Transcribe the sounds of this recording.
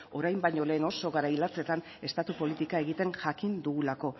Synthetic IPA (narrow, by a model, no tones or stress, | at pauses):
o̞ɾajmbajɲo̞le̞ːno̞so̞ɣaɾailat͡se̞t̪an | e̞st̪at̪upo̞lit̪ikae̞ɣit̪e̞ŋʝakind̪uɣulako̞